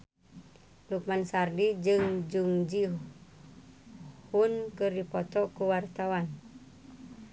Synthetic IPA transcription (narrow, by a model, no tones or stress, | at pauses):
luk̚mansardid͡ʒɨŋd͡ʒuŋd͡ʒi | hunkɨrdipɔt̪ɔkuwart̪awan